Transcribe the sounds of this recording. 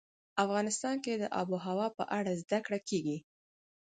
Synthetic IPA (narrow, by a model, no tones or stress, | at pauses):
afɣɑnɪst̪ɑnked̪əʔɑ̰buɦawɑpə̰ʔaɽazd̪akɽakeɡi